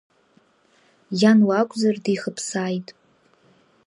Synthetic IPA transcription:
janwakʷʼzardiχəpʰsaːjtʼ

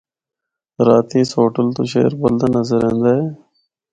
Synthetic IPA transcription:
ɾaːt̪iːsoːʈəlt̪oːʃḛːəɾboːld̪aːnəzəɾɛ̃ːnd̪aːɦɛː

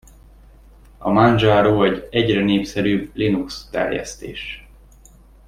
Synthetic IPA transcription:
ɒmanʒaːɾoːɛɟɛɟrɛneːpsɛɾyːblinukst̪ɛ̰rjɛ̰st̪ḛːʃ

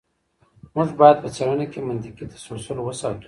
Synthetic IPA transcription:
muʐbɑjad̪̚pət͡saɽanakemant̪iqit̪ḁsoɽsəlowəsɑt̪u̥

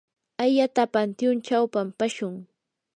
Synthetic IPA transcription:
ajat̪apant̪jʊnt͡ʃawpampaʃʊŋ

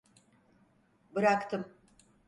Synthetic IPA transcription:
bɯɾakt̪ʰɯm

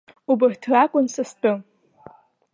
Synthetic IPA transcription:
ubɨrtʰrakʷʼʊnsastʼɨ

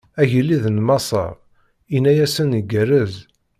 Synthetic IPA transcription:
æʝəlːiðnmɑsˤə̰ɾ | inæjæsənəɡərəz

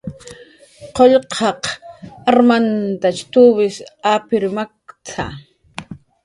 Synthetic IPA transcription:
qoʎqʰɑqaɾmant̪at͡ʃt̪uβɪsapɪɾmakt͡sʰa̰

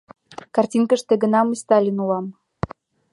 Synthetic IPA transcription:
kɑrtʲinkə̆ʃt̪ĕɡə̆nɑməsʲt̪ɑlʲinulɑm

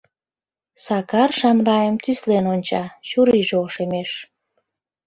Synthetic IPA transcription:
sɑkɑrʃɑmrɑjəmt̪yslenonʲt͡ɕɑɕuɾiʒeoʃemeʃ

